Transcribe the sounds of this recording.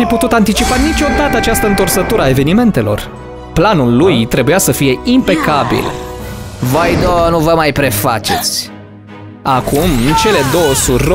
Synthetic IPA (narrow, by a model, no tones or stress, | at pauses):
fiput̪ut̪ant̪it͡ʃipanit͡ʃʲo̞d̪at̪əat͡ʃast̪əɨnt̪orsət̪uɾəae̞ve̞nime̞nt̪e̞lo̞̰r | planulːujt̪ɾe̞bujasəfije̞impe̞kabḭl | vojd̪onuvəmajpɾe̞fa̰t͡ʃe̞t̪sʲ | akumɨnt͡ʃe̞le̞d̪o̞wəsuɾ